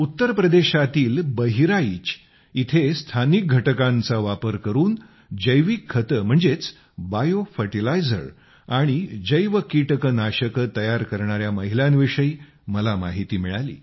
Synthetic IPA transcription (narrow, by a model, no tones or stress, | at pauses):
ut̪ːəɾpɾəd̪eɕat̪iːlbəɦiɾait͡ɕ | it̪ʰest̪ʰanik̚ɡʱəʈəkãnt͡saʋapəɾkəɾuːn | d͡ʑəjʋikʰːət̪əm̤əɳd͡zet͡s | bajofəʈilajd͡zə̰ɾ | aɽ̃id͡ʑəjʋəkiʈəkənaɕəkət̪əjaɾkəɾɳaɾjaməɦiljãnʋiʂəi | məlamaɦit̪iːmiɭalḭː